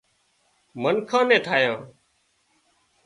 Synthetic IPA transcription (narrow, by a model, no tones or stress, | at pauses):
mənkʰãːnɛ̃ːt̪ʰaːjãː